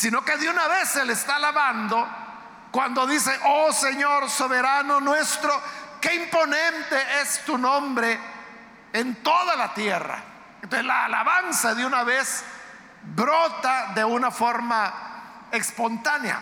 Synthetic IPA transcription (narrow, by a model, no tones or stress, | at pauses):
sino̞keðeunaβe̞selest̪alaβand̪o̞ | kwand̪oðise̞ʔoseɲo̞ɾso̞βeɾanonwe̞st̪ɾoke̞impo̞nẽnt̪eest̪unõmbɾe̞ː | nt̪o̞ðalat̪je̞ra̰ | ent̪oselaːlaβansaðeunaβes | bɾot̪aðe̞unafo̞ɾma | ekspo̞nt̪anja̰